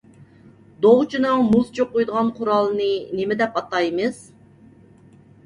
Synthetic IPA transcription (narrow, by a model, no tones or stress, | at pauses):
d̪oʁt͡ʃʰinɨŋmuzt͡ʃʰoq̚ːojd̪əʁɑnqʰʊɾɑlˠnɨnemɪd̪ɛpɑt̪ɑjmɨz̥